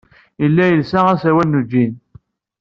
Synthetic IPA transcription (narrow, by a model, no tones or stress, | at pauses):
əlːæjəlsææsæwænːud͡ʒːin